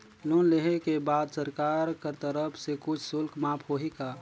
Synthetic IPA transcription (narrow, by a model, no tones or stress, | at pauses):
lunleɦekebad̪səɾkaɾkəɾt̪əɾəpʰsekʊt͡ʃʰsʊlkmãpʰɦoɦika